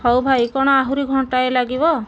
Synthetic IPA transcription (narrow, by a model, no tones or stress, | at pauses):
hɔwbʱaikɔɽ̃ɔaɦuɾiɡʱɔɳʈaelaɡibɔ